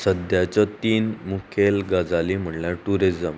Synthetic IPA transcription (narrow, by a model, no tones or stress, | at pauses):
səd̪jat͡ɕat̪iːnmukʰelɡad͡zalim̤əɳljaʈuɾid͡zəm